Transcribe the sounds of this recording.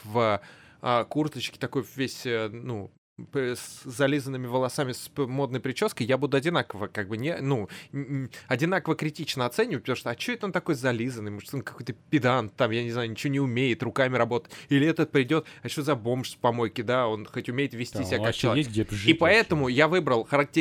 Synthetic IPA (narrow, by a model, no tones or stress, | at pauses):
vəakurt̪ət͡ɕkʲɪ̥t̪ɐko̞jvvʲesʲənu | pszɐlʲizənːɨmʲɪvəlˠɐsamʲɪsmo̞d̪̚nəjpɾʲɪt͡ɕo̞skəjabud̪ʊɐdʲɪnakəvəkaɡ̚bɨnʲenu | ɐdʲɪn̪akəvəkɾʲɪtʲit͡ɕnəɐt̪sɛnʲɪvət̚ʲpət̪ɐmuʂt̪oɐt͡ɕɪɛt̪əont̪ɐko̞jzɐlʲizənːɨjmoʐ̥ɨt̪o̞nkɐko̞jʲt̪əpʲɪd̪ant̪ːamjanʲɪznajʊnʲɪt͡ɕɪvonʲɪʊmʲejɪt̪rʊkamʲɪɾɐbo̞t̪ə̥tʲilʲɪɛt̪ət̪̚pɾʲɪdʲo̞t̪ɐt͡ɕʲozɐbo̞mʂsʲpɐmo̞jkʲɪd̪ao̞nxo̞tʲʊmʲejɪt̪vʲɪsʲt̪ʲisɪbʲkakt͡ɕɪlˠʲipɐɛt̪əmʊjavɨbɾəlˠxəɾɐk̚tʲɪ